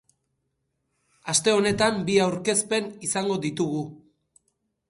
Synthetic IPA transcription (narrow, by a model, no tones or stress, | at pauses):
ast̪e̞o̞ne̞t̪ambiawɾke̞spe̞nisaŋɡo̞ðit̪uɣu